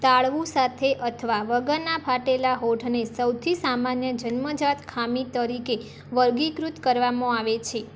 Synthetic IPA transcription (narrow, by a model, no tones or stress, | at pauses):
t̪aɭʋũsat̪ʰeʔət̪ʰʋaʋəɡəɾnapʰaʈelaɦoʈʰnesəwt̪ʰisamanjəd͡ʒənməd͡ʒat̪kʰamit̪əɾike | ʋəɾɡikɾut̪kəɾʋamõaʋet͡ʃʰe